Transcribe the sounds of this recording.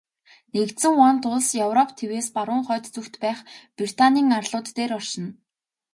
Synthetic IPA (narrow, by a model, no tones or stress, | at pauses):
nekt̪sɘ̆ŋɔnt̪ʊɮsjœwrɔp̚ʰt̪ʰeweːspaɾʊːŋχœːt̪t͡sɵxt̪pæːχprit̪ʰanʲiːŋarɮʊːt̪ːeːɾɔr̥ʃɪ̆n